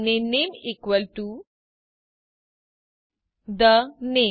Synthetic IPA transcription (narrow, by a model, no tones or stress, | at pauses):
nenemikʋəlʈu | d̪əne